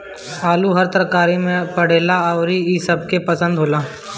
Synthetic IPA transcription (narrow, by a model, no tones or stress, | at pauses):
aːluɦɐɾt̪əɾkaːɾimẽpəɽ̤eːlaɔʊɾiisɐb̚kepəsə̃nd̪ɦoːlaː